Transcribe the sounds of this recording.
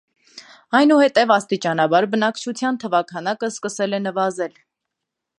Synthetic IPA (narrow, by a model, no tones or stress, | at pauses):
ɑjnuhɛt̪ɛvɑst̪it͡ʃɑnɑbɑɾbənɑkt͡ʃʰut͡sʰjɑnt̪ʰəvɑkʰɑnɑkəskəsɛlɛnəvɑzɛl